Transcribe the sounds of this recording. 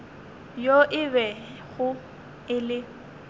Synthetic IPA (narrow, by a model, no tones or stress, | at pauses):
joʔɪβɛ | ɣʊ | ɪlɪ